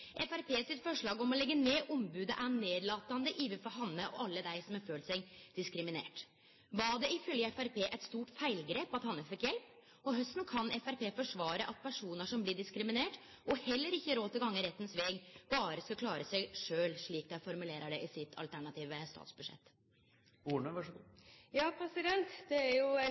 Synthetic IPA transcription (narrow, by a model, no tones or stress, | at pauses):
ʔɛfæɾpʰeːsɪt̪fɔʂɭɑːɡɔmɔlɛɡːəneːʔɔmbʉːd̪əʔæneːd̪lɑːt̪ːɑnd̪əʔiːʋəfɔɾɦɑnːəʔɔ̰ʔɑlːəd̪æɪsɔmɛføːlsɛɪd̪̥ɪskɾɪmɪnḛːʈ | bɑɖɛʔɪfœljəɛfæɾpʰeːʔɛt̪st̪uːʈfæɪlɡɾeːpɑt̪hɑnːəfɪkːjɛlp | ɔɦœst̪nkʰɑnʔɛfæɾpeːfɔʂʋɑːɾəʔɑt̪̚pʰæʂuːnəʂɔmblɪɖɪskɾɪmɪneːʈ | ʔɔhɛlːəɾɪçːəɾoːt̪əɡɑŋːəɾɛt̪ːn̩sʋeːɡb̥ɑːɾəsɔkʰlɑːɾəsæɪʂøːlʂɭiːkd̪æɪfɔɾmʉleːɾəɖɛʔɪsɪt̪ʰɑ̰lt̪ʰæɳɑt̪ʰiːʋəst̪ɑ̰ːt̪sbʉdʂɛ̰t̪ː | uːɳəʋɑʂɡjɑːpʰɾɛsɪd̪ɛnt̪d̪̥ɛæjʊ